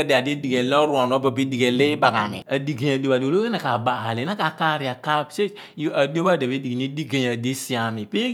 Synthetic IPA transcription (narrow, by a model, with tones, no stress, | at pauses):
ɛ˦de˨a˨de˦di˨ɡe˨lɔ˦ɾu˦a˨n˨o˦ba˨bi˦di˨ɡe˨le˦ba˨ka˨mḭ˨a˨di˨ɡe˨ɲa˨do˨ba˨do˨lo˦e˦na˨ka˨ba˨ha˨le˨na˦ka˨ka˦ɾi˨a˨ka˦˨se˦ | a˨di˦o˦ba˦˨de˨be˦di˨ɡi˨ni˦di˦ɡe˨ɲa˨de˦si˦a˨mi˨pi˦